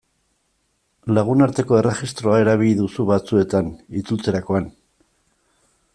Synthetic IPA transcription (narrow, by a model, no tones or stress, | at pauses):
laɣ̞unaɾt̪e̞ko̞e̞re̞ɣist̪ɾo̞ae̞ɾaβ̞iʎiðusuβat͡sue̞t̪anit͡sut͡se̞ɾako̞an